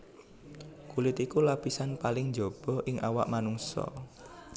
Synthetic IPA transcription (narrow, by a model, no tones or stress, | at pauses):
kulɪt̪ikulapisanpalɪŋɲd͡ʒob̥ɔ̤ʔɪŋʔawa̰ʔmanuŋsɔ̰